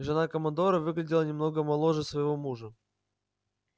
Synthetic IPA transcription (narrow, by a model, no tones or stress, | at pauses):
ʐɨnakəmɐnd̪o̞ɾəvɨɡlʲɪdʲɪlˠənʲɪmno̞ɡəmɐlˠo̞ʐəsvəjɪvo̞muʐə